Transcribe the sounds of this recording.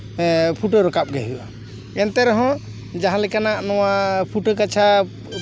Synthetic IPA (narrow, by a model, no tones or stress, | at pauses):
pʰuʈəɾɔkap̚ɡɛɦuʔa | ɛnt̪ɛɾɔɦɔ̃ | d͡ʒaɦãlɛkanaʔnɔwapʰuʈəkat͡ʃʰa